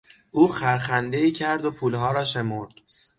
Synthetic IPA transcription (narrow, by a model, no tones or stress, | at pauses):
ʔuːxæɾxænd̪e̞iːcʰæɾd̪opʰuːlɦɒːɾɒːʃe̞moɾd̪̥